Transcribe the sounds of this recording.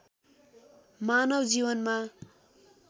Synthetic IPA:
manʌbd͡zibʌnma

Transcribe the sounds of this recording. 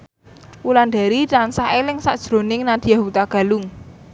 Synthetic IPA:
wulanɖ̪a̤ɾiransaɦelɪŋsaʔd̥ʒ̥ɾo̤nɪŋnad̪̥i̤jaɦut̪aɡ̥a̤lʊŋ

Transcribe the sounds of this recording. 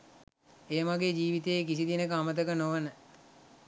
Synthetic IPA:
eːmaɡeːd͡ʒiːʋit̪eekisid̪inəkəamət̪əkənoʋənə

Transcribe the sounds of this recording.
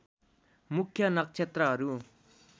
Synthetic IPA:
mukʰːjʌnʌk̚t͡ʃʰet̪rʌɦʌɾu

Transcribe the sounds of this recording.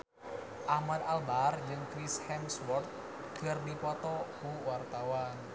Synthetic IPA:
ʔahmad̪albard͡ʒɨŋkɾishɛmswɔrt̪̚ | kɨrdipɔt̪ɔkuwart̪awan

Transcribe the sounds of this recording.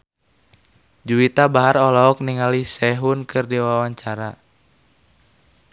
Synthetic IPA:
d͡ʒuit̪abaɦarɔlɔɔk̚niŋalisɛɦunkɨrdiwawaɲt͡ʃaɾa

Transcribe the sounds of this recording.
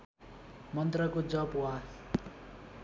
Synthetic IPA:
mʌnt̪rʌkod͡zʌpwa

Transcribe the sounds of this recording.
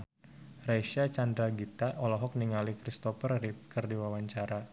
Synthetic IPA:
rajʃat͡ʃand̪ɾaɡit̪aʔɔlɔɦɔk̚niŋalikɾist̪ɔfərrip̚kərdiwawaɲt͡ʃaɾa

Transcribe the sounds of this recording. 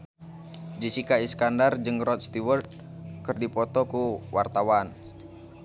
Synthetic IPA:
d͡ʒisikaiskandard͡ʒɨŋrɔt̪̚st̪iwərt̪̚ | kərdipɔt̪ɔkuwart̪awan

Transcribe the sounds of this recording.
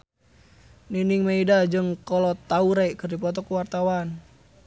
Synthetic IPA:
niniŋmaidad͡ʒɨŋkɔlɔt̪auɾajʔkərdipɔt̪ɔkuwart̪awan

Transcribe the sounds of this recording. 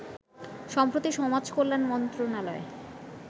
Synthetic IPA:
ʃɔmpɾot̪iʃɔmad͡ʑkoɾːanmɔnt̪ɾonalɔe

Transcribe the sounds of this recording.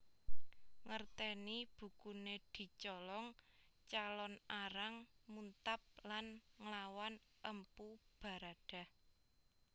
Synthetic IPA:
ŋərt̪ɛnib̥ṳkuned̪̥i̤t͡ʃɔlɔŋ | t͡ʃalɔnaɾaŋmunt̪ap̚lanŋlawan | ʔəmpub̥a̤ɾaɖ̥a̤h

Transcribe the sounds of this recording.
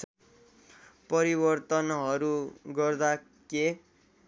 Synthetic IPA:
pʌɾibʌrt̪ʌnɦʌɾuɡʌrd̪a | ke

